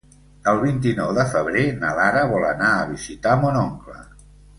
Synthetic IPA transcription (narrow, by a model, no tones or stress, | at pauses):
əlˠβint̪inɔwðəfəβ̞ɾenəlaɾəβɔlə̰naəβizit̪amonɔŋklə̰